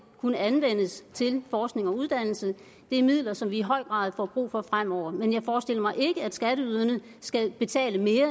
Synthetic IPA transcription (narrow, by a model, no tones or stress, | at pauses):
kʰunəænʋen̰əst͡sʰe̝lfɒːsɡ̥ne̝ŋɒ̽uð̞ˠd̥æn̰l̩sə | d̥e̝æɐmið̰ˠlɐsɒ̽mʋiːɦɒ̽ɪ̰ɡ̥ʁɑ̈ːð̞ˠfɒb̥ʁṵːfɒ̽fʁam̰ɒʊ̰ɐmenjɑ̈ɪfɒːsd̥e̝l̰ɐmɑ̈ɪʔe̝ɡ̥əæd̥sɡ̥æɾəyðˠɐnə | sɡ̥æb̥e̝t͡sʰɛ̰ːləme̝ːɐ